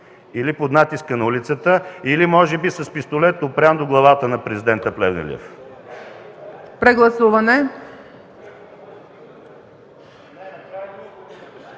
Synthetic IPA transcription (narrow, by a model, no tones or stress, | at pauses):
ilipod̪nat̪iskənɐulit̪sət̪əilimɔʒɛbisɐspist̪olɛt̪opɾʲand̪oɡlˠɐvat̪ənɐpɾɛzid̪ɛnt̪əplɛvnɛ̰lʲɛ̰f | pɾɛɡlˠɐsuvɐnɛ